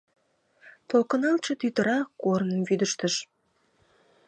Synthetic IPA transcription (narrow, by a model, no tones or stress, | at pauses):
t̪okə̆nɑlt͡ʃə̆t̪yt̪əɾɑkoɾnənβyd̪əʃt̪əʃ